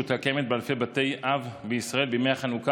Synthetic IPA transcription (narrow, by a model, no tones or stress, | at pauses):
ut̪hakemet̪̚bealfe̞jbat̪e̞jʔavbeisʁae̞lbemeaχanuka